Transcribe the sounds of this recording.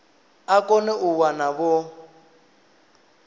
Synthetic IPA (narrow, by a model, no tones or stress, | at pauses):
akɔnɛʔuwanaβɔ